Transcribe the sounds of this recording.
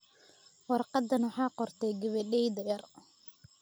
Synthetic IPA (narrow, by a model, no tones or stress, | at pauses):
wɑrqɑd̪ːɐnwɑħɑːqɔrt̪ʰɛɡɐβɛɗɛjd̪ɐjɐr